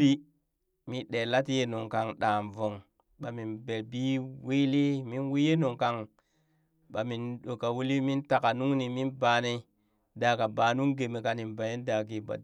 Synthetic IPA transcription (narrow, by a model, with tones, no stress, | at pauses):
i˦ | mi˨ɗe˨la˦ti˦je˦no˨ŋka˨ŋɗa˨mvo˨ŋ | ɓa˨mi˨nbe˨lbi˦wi˦li˦mi˦nwi˦je˦no˨ŋka˨ŋ | ɓa˨mi˨nɗo˨ka˨wu˦li˦mi˦nta˨ka˨nu˦ŋni˨mi˦nba˨ne˨˦ | da˨ka˨ba˨nu˦ŋɡe˨mi˨ka˨ni˨nba˨je˦nda˨ɡi˨ba̰˨